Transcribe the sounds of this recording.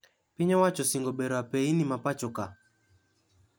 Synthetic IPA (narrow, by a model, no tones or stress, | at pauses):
pɪɲɔwat͡ʃɔsɪŋɡɔbɛɾɔapɛinimapat͡ʃɔka